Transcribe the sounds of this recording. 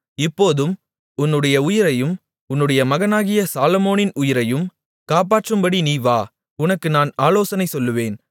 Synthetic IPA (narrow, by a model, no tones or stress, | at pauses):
ɪpːoːðɯm | ʊnːɯɽɐjɐʊjɪɾɐjɯm | ʊnːɯɽɐjɐmɐɣɐnaːɣɪjɐsaːlɐmoːnɪnʊjɪɾɐjɯm | kaːp̬aːʈrɯmbɐɽiniːʋaː | ʊnɐkːɯnaːnaːloːsɐnɐɪsɔlːɯʋeːn